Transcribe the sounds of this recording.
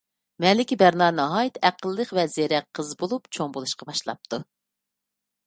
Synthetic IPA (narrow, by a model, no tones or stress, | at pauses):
mɛlɪkʲibæɾnɑnɨɦɑjit̪ʰæqʰəlˠːəqvɛzeɾɛqʰːəzbolˠupt͡ʃʰoŋbolˠuʃqɑbɑʃlˠɑ̰p̚t̪ʰu